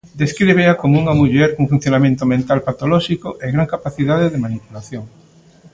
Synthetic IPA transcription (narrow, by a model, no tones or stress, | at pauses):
d̪eskɾiβeakomouŋamuʎɛɾkuŋfũn̟θjonamẽnt̪omẽnt̪alpat̪olɔʃikoʔeɣɾaŋkapaθiðaðeðemanipulaθjoŋ